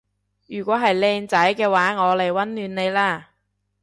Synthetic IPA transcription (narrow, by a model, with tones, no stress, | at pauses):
jyː˨˩kʷwɔː˨˥ɦɐ˨jlɛː˧ŋt͡sɐ˨˥jkɛː˧waː˨˥ŋɔː˨˧le˨˩jwɐ˨˥nlyː˨˧˥nne˨˧jlaː˥˩